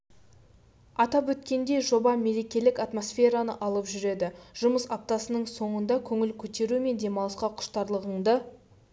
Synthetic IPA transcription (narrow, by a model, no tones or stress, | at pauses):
ɑt̪ɑpwɵt̪kʲe̞nd̪e̞jʒo̞bɑme̞ɾe̞kʲe̞lɪkat̪mo̞sfʲe̞ɾanəʔɑlˠəpʒʏɾe̞d̪ɪʒ̥ʊməsɑp̚t̪ɑsənəɴso̞ɴənd̪ɑkʲʰɵŋɪlkʲʰɵt̪e̞ɾume̞nd̪e̞mɑlˠəsqɑqʰʊ̥ʃt̪ɑɾlˠəʁəɴd̪ə